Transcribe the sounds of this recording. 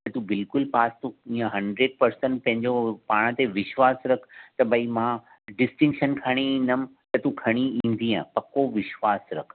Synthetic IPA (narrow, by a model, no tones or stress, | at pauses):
t̪ɐt̪ũbɪlkʊlpaːst̪uĩːə̃ɦɐ̃ɳɖɾeːɖ̚pɐɾsə̃ɳʈ̚pɐ̃ɦɪ̃ɲd͡ʑopaːɽ̃ət̪eʋɪʃʋaːsɾɐkʰt̪ɐbɐimã | ɖɪsʈɪ̃ŋkʃənkʰɐɽ̃iĩːn̆d̪əm̆t̪ɐt̪ũkʰɐɽ̃iĩːn̆d̪iãːpɐkoʋɪʃʋaːsɾɐkʰ